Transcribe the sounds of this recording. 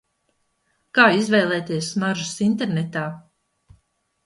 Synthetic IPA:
kaːizvɛjlˠɛːt̪iɛsnaʒusint̪eɾnɛt̪aː

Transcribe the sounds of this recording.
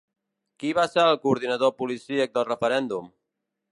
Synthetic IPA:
kiβaseɾəlˠkuːɾðinəðopulisiək̚d̪əlˠrəfəɾɛnd̪um

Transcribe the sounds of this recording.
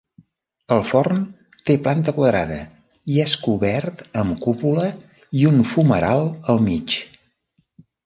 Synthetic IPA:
əlˠfɔrn | t̪eplant̪əkwəðɾa̰ðə | iɛskuβɛɾt̪əmkupulə | iunfuməɾalˠəlˠmit͡ʃ

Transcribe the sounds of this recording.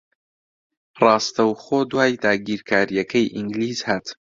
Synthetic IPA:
rɑːst̪ɐwχoːd̪waːjd̪aːɡiːɾkʰaːɾjɐkʰɐjʔiŋɡliːzhaːt̪

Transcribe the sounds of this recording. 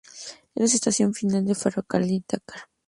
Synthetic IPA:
elas̬est̪asjo̞ɱfinald̪efaɾokalit̪akaɾ

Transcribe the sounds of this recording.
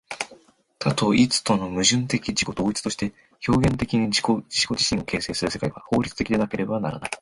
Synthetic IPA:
t̪ʰat̪o̞it͡sɨ̥t̪o̞no̞mɯ̟ʑɨ̃nt̪e̞kʲid͡ʑiko̞d̪o̞ːit͡sɨ̥t̪o̞ɕi̥t̪e̞ | ço̞ːɡẽ̞nt̪e̞kʲiɲ̟iiod͡ʑiɕiko̞ʑiɕĩɰ̃o̞ke̞ːse̞ːsɨɾɯ̟se̞kaiβa̰ho̞ːɾʲit͡sɨ̥t̪ekʲid̪e̞nake̞ɾe̞bana̰ɾa̰na̰i

